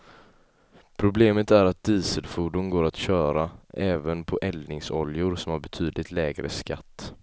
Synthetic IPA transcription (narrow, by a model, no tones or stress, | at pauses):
pʰɾʊbleːmət̪æɾat̪̚d̪iːsəd̪fuːɖʊnɡoːɾat̪ɕœːɾaʔɛːvənpʰɔʔɛlnɪŋsɔljʊɾsɔmhaɾbɛt̪ʰyːd̪lɪt̪lɛːɡɾə̰ska̰t̪ː